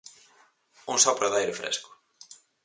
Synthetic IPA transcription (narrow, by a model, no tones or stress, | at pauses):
uŋsɔpɾoðajɾɪfɾḛskʊ̥